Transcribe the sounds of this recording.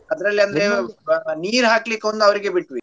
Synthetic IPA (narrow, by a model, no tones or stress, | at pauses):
ɐd̪ɐɾɐlːiɐnd̪ɐɾeniːɾɦaːklikond̪uɐʋɐɾiɡe̞biʈʋi